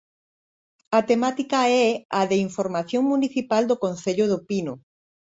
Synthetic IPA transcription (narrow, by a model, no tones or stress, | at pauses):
at̪emat̪ikaɛaðeiɱfoɾmaθjoŋmuniθipald̪okõn̟θeʎʊðʊpinʊ